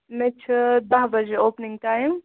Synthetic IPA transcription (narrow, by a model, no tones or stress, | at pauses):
mɛ̃t͡ʃʰɐd̪ɐɦbɐd͡ʒeoːpnɪŋɡ̚ʈaːjm